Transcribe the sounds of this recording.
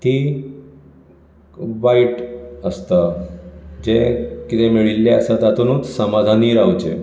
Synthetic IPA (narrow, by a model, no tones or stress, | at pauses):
t̪i | ʋaiʈəst̪a | d͡ʑekit̪emeɭilːeəsat̪at̪unuːt͡ssəmad͡zʱaniːɾawt͡ɕḛ